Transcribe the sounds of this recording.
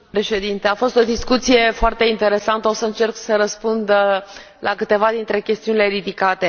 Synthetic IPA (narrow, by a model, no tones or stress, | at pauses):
pɾe̞ʃe̞d̪int̪eafo̞st̪o̞d̪iskut̪sije̞foart̪e̞int̪e̞ɾe̞sant̪əosəɨnt͡ʃe̞rksəɾəspund̪ | lakɨt̪e̞vad̪int̪ɾe̞kʲe̞st̪iunile̞ɾid̪ikat̪e̞